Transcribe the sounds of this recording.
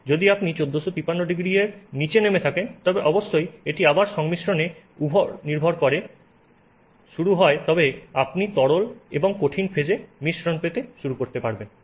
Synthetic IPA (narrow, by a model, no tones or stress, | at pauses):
d͡ʑod̪iapnit͡ɕod̪ːoʃot̪ipanːoɖiɡɾieɾnit͡ɕenemet̪ʰakent̪ɔbeʔɔboʃːojeʈiabaɾʃɔŋmiʃɾone | ubʱoɾniɾbʱoɾkɔɾe | ʃuɾuɦɔet̪ɔbeapnit̪ɔɽoleboŋkoʈʰinfʰed͡ʑemiʃɾonpet̪eʃuɾukoɾt̪epaɾben